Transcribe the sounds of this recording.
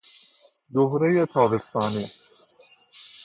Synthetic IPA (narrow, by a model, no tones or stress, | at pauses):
d̪oɦɾejet̪ʰɑːbest̪ɑːniː